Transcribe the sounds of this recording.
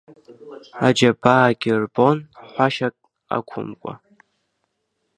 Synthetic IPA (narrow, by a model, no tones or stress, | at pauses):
ad͡ʒabaːɡʲirbonħʷaʃakʼ | a̰kʷʰʊ̰mkʷʼa̰